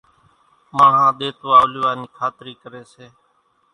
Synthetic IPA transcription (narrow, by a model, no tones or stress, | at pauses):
maːɦãːɗ̪eːt̪ːaːliʋaːniːkʰaːt̪ɾiːkəɾeːseː